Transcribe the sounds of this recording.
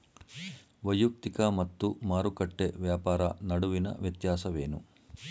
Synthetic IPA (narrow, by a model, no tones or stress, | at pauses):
ʋɐjuk̚t̪ikɐmɐt̪ːumaːɾukɐʈːeʋjaːpaːɾɐ̰nɐɽuʋinɐ̰ʋjɐt̪jaːsɐʋe̞ːnṵ